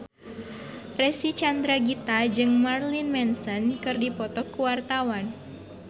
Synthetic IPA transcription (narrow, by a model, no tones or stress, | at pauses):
rɛsit͡ʃand̪ɾaɡit̪ad͡ʒɨŋmarlinmɛnsɔnkɨrdipɔt̪ɔkːuwart̪awan